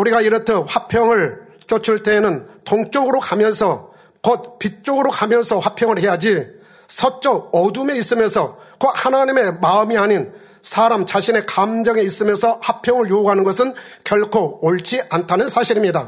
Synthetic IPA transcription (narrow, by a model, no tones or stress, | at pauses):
uɾiɡaiɾʌtʰʌɸwapʰjʌŋɯɭ | t͡ɕ͈ot͡ɕʰuɭt͈e̞ːnɯntoŋt͡ɕ͈oɡɯɾokamjʌnsʰʌ | kʌt̚pit̚t͡ɕ͈oɡɯɾokamjʌnsʰʌɸwapʰjʌŋɯɭhe̞jad͡ʑi | sʰʌt͡ɕ͈ʌʌdume̞is͈ɯmjʌnsʰʌkʌhanaɲime̞maɯmiaɲin | sʰaɾamt͡ɕaɕʰine̞kamd͡ʑʌŋe̞is͈ɯmjʌnsʰʌɸapʰjʌŋɯɭjouɡɦanɯnɡʌsʰɯnkjʌɭkʰooɭt͡ɕ͈iʔantʰanɯnsʰaɕʰiɾimɲida